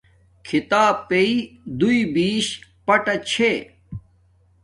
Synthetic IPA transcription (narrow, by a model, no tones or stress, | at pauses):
kʰit̪aːpeid̪uibiːɕpɐʈɐt͡ɕʰe